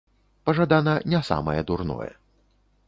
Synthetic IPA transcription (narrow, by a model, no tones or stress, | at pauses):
pɐʐad̪anɐnʲɛsa̰mɐjɛd̪urnɔ̰jɛ̰